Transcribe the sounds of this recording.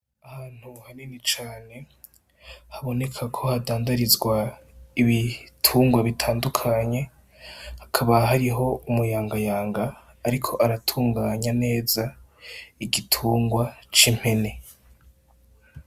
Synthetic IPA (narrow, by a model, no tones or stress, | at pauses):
ahaːn̥huhaninit͡ʃaːne̞ | haβo̞ne̞kʰakʰo̞hadaːndaɾizɡwa | iβitʰuːŋɡwaβitʰaːndukʰaɲe̞ | hakʰaβaɦaɾiɦo̞umujaːŋɡajaːŋɡaː | ɾikʰo̞ʔaɾatʰuːŋɡaːɲane̞ːza | iɡitʰuːŋɡwat͡ʃim̥he̞ne̞